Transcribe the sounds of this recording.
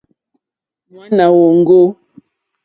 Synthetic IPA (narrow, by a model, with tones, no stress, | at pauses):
mwa˦na˨wɔ˨ŋ̩˦ɡo˦